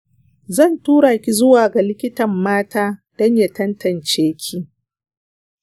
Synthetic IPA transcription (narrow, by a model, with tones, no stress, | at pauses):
zɐ˦˨ntuː˦ɽaː˨kʲi˦zʊ˦waː˨ɡa˨lɪ˦kʲɪ˦tɐ˨mːaː˦taː˦d̥ɔ˦ɲja˦tɐ˦ntɐ˨nt͡ʃeː˦kʲʰi˦